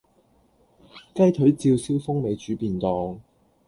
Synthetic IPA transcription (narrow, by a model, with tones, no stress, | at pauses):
kɐ˥jt̪ʰɵ˨˥ɥt͡siː˧wsiː˥wfʊ˥ŋme˨˧jt͡ʃyː˨˥piː˨˧nt̪ɔː˨˧ŋ